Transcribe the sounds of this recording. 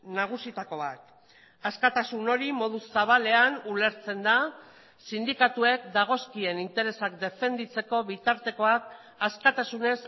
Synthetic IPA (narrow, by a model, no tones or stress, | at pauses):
naɣ̞usit̪ako̞βat̪ | askat̪asuno̞ɾimo̞ðusaβ̞ale̞anule̞ɾt͡se̞nd̪a | sind̪ikat̪ue̞kd̪aɣ̞o̞skie̞nint̪e̞ɾe̞sakd̪e̞fe̞nd̪it͡se̞ko̞βit̪aɾt̪e̞ko̞ak | askat̪asune̞s